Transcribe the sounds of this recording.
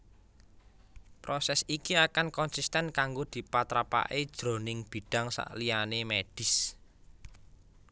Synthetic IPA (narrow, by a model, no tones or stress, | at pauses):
pɾɔsɛsikiakankɔnsist̪ɛnkaŋɡod̪̥i̤pat̪ɾapa̰ʔed̥ʒ̥ɾo̤nɪŋb̥i̤ɖ̥a̤ŋsa̰ʔlijanemeɖ̥ɪ̤s